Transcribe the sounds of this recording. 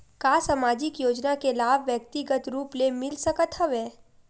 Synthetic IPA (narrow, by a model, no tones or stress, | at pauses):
kaːsamaːd͡ʒɪkjoːd͡ʒnakelaːbʋjək̚t̪ɪɡət̪ɾuːplemɪlsɐkət̪ɦəʋeː